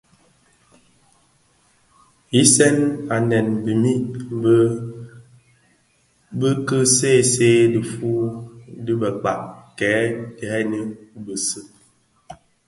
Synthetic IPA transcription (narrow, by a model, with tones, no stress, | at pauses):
i˦sɛ˦na˨nɛ˨nbi˨mi˦ʔbə˦ | bə˦kə˦se˦˨seː˦də˨fu˦də˦bə˨k͡pa̰˨ʔkɛː˨˦di˨hɛ˦nə˦bə˨sɨ˦